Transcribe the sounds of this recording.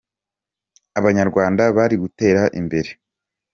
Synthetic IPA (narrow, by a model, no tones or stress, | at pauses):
aβaɲaɾɡwaːndaβaɾiɡute̞ːɾaʔḭmbe̞ɾe̞